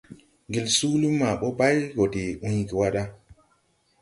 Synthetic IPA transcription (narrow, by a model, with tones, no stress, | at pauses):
ɡi˨lsu˦lu˦mːa˨ɓo˦ba˦jɡo˨de˨ʔũ˦jɡi˨wa˦ɗa˦